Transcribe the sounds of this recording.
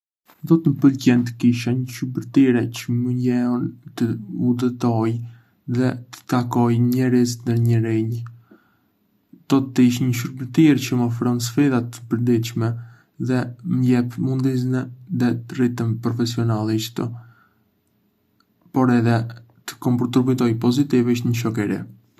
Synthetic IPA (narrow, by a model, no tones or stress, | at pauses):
d̪ɔt̪məpəlcɛnt̪ə̥kiʃaɲəʃubəɾt̪iɾɛcəməɲɛɔnt̪əud̪ət̪ɔj | ðɛt̪ə̥t̪akɔjɲɛɾizt̪nd̪əɾɲəɾiɲ | d̪̥ɔt̪ːəiʃ̬ɲəʃ̬ubət̪iɾt͡ɕəmɔfɾɔns̬fɛðat̪ə̥pəɾd̪it͡ʃmɛ | ðɛməjɛpmund̪iz̬nɛðɛt̪ərit̪ənpɾɔfɛsiɔnalˠiʃt̪ə | pɔɾɛðɛ | t̪ə̥kɔmpt̪ɾɔbut̪ɔjpɔzit̪iviʃɲəʃ̬ɔkɛɾḭ